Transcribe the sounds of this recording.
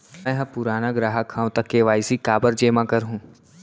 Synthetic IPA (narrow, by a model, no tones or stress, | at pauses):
ɛ̃ɦɐ̃pʊɾaːnaɡɾaːɦakʰːãːʋ̃t̪ɐkːeʋaːɪsikaːbəɾd͡ʒeːmãkɐɾɦũː